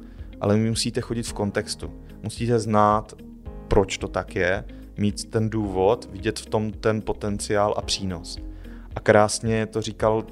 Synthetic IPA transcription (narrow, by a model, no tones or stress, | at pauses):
ʔa̰lɛmɪmusiːt̪ɛxo̞ɟɪt̪fko̞nt̪ɛkst̪ṵ | musiːt̪ɛznaːt̪ | pɾo̞t͡ʃt̪o̞t̪akjɛ | miːt̪t̪ɛnduːvo̞t̪vɪɟɛt̪ft̪o̞mt̪ɛnpo̞t̪ɛnt͡sɪaːlʔa̰pr̝̥iːno̞s | ʔakɾaːsɲɛt̪o̞riːkal